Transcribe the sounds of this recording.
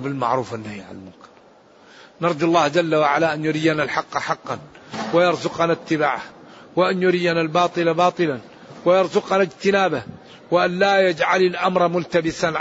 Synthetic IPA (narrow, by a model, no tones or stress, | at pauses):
bɪlma̰ʕɾuːfanːahiːʕa̰nalmʊ̰mkɪ̥ɾ | nɑɾˤd̪ɑlˤːɑːhd͡ʒalːawaʕalaʔanjʊɾɪjːanalħɑqːħɑqːɑnwɪjɑɾˤzʊqɑnat̪ːɪbaːʕahwɪʔanjʊɾijːanalbɑːt̪ˤɨlabɑːt̪ˤɨlan | wɪjɑɾˤzʊqɑnad͡ʒt̪ɪnaːbah | wɪʔanlajad͡ʒʕalalʔamɾˤmʊlt̪abɪsan